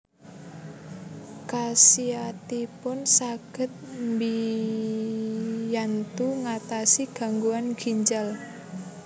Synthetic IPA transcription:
kasiat̪ipʊnsaɡ̥ə̤t̪̚mbi | jant̪uŋat̪asiɡ̥a̤ŋɡuanɡ̥iɲd͡ʒal

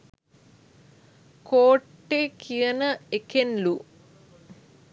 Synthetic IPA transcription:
koːʈːekʰijɐnəekenlu

